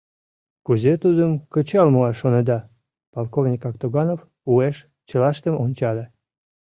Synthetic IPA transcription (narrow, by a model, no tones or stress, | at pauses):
kuzet̪ud̪əmkət͡ɕɑlmuɑʃoned̪ɑ | polˠkovnʲikɑkt̪oɣɑnof | ueʃ | t͡ɕə̆lɑʃt̪əmʔonʲt͡ɕɑlʲe